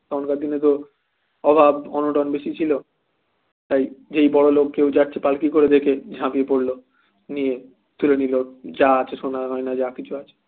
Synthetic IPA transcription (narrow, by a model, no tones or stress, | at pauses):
t̪ɔnkaɾd̪inet̪o | ɔbʱabɔnoʈɔnbeʃit͡ɕʰilo | t̪ajd͡ʑejbɔɽolokkːewd͡ʑaʈ̚t͡ɕʰepalkikoɾed̪ekʰed͡ʑʱãpiepoɽlo | nie | t̪ulenilod͡ʑaat͡ɕʰeʃonaɦɔenad͡ʑakit͡ɕʰuat͡ɕʰe̥